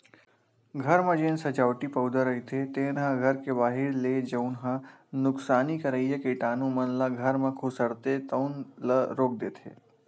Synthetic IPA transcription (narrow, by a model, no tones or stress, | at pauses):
ɡʱəɾmãd͡ʒẽːnsɐd͡ʒaːʋʈipɐwd̪əɾəit̪ʰet̪enɦãɡʱɐɾkebaːɦiɽled͡ʒɐũnɦã | nʊksaːnikəɾəjjəkiʈaːnũmɐnləɡʱəɾmãkʰusəɽt̪et̪əwnləɾoːk̚d̪eːt̪ʰḛː